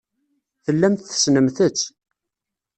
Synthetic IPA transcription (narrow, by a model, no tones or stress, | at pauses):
θəlːæmt̪θə̥snəmθət͡sː